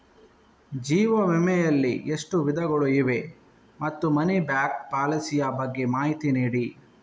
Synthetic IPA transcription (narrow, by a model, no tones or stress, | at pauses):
d͡ʒiːʋɐʋɛmɛjɐlːiʔeʂʈuʋid̪ʱɐɡɐɭuiʋe̞ | mɐt̪ːumɐnibjaːk̚paːlɐsijɐbɐɡːe̞maːɦit̪iniːɽi